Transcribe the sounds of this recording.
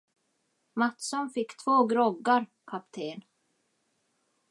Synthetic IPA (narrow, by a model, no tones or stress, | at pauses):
mat̪sɔnfɪkːt̪ʰvoːɡɾɔɡːaɾ | kʰapt̪ʰeːn